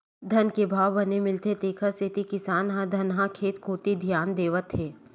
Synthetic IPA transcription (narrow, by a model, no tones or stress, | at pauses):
d̪ʱɐnkebʱaːwbɐnemɪlt̪et̪eːkʰəsɪt̪ikɪsaːnɦãd̪ʱɐnɦãkʰeːt̪kʰoːt̪id̪ʱijaːnd̪eːʋət̪ɦeː